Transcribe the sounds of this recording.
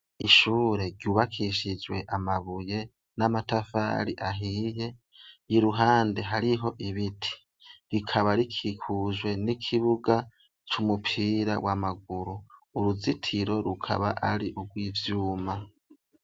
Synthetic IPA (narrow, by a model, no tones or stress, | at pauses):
iʃuːɾe̞ɾɟjuːβakʰiʃid͡ʒwe̞ʔamaβuje̞ | namatafa̰ːɾiʔaɦiːje̞ | jiɾuɦaːnde̞ɦaɾiɦo̞ʔiβitʰi̥ | ɾikʰaβaɾikʰikʰuʒwe̞nikʰiβuɡa | t͡ʃumupʰiːɾawamaɡ̚uɾuuɾuzitʰiɾo̞ɾukʰa̰βa̰ʔaɾiʔuɡwiːvjuːma